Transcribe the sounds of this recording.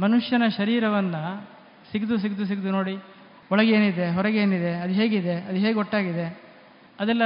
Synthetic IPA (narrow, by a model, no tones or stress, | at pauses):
mɐnuʂjɐnɐʃɐɾiːɾɐʋɐnːɐ | siɡd̪us̬iɡd̪us̬iɡd̪uno̞ːɽi | ɔɭɐɡe̞ːnid̪e̞ɦɔɾɐɡeːnid̪e̞ɐd̪uɦe̞ːɡid̪e̞ɐd̪uɦe̞ːɡɔʈːaːɡid̪e̞ | ɐd̪ɛlːɐ